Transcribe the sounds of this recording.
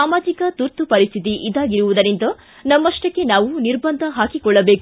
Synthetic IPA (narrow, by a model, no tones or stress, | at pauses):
aːmaːd͡ʒikɐt̪uɾt̪upɐɾist̪ʰit̪̬iʔid̪aːɡiɾuʋud̪ɐɾint̪d̪ɐ | nɐmːɐʂʈɐkːe̞naːʋuniɾbɐnd̪ʱɐɦaːkikɔɭːɐbe̞ːku